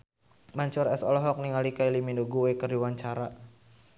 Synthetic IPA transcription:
maɲt͡ʃɔɾɛsɔlɔɦɔk̚niŋalikailimindoɡuekərdiwaɲt͡ʃaɾa

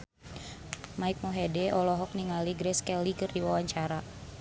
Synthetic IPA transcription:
maik̚mɔɦɛdɛʔɔlɔɦɔk̚niŋaliɡɾɛskɛlikɨrdiwawaɲt͡ʃaɾa

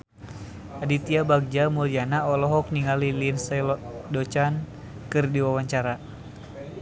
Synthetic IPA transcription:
adit̪iabaɡ̚d͡ʒamulianaɔlɔɦɔk̚niŋalilinsɛlɔdɔt͡ʃan | kɨrdiwawaɲt͡ʃaɾa

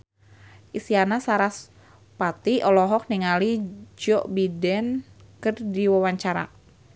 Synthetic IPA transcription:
ʔisianasaɾas | pat̪iɔlɔɦɔk̚niŋalid͡ʒɔʔbidɛnkərdiwawaɲt͡ʃaɾa̰

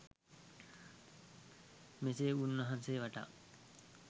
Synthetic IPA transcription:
meseːunʋɐɦanseːʋaʈa̰

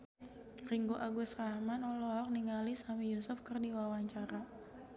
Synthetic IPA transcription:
riŋɡoʔaɡusraɦmanɔlɔɦɔk̚niŋalisamijosʊfkərdiwawaɲt͡ʃaɾa

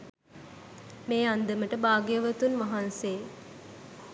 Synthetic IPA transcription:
meːand̪əməʈəbaːɡjəʋət̪unʋaɦanseː

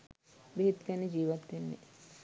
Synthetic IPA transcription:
biɦit̪kɛned͡ʒiːʋat̪ːenːḛ

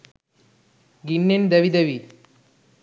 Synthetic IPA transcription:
ɡinːend̪ɐʋid̪ɐʋi

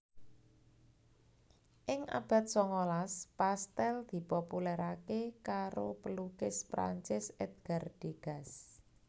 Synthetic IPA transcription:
ʔɪŋʔa̰b̥a̤t̪̚sɔŋolaspast̪ɛld̪̥i̤populɛɾakekaɾopəlukɪspɾa̰ɲt͡ʃɪsɛd̪̚ɡ̥ard̥eɡ̥a̤s

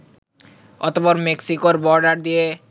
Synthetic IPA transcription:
ɔ̰t̪opɔɾmeksikoɾbɔɾɖaɾd̪ije

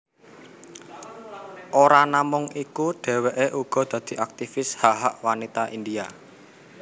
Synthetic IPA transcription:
ʔoɾanamʊŋikuɖ̥ɛ̤weʔeʔuɡ̥ɔ̤d̪̥ä̤d̪̥i̤ʔak̚t̪ifɪshaɦaʔwanit̪aʔindia

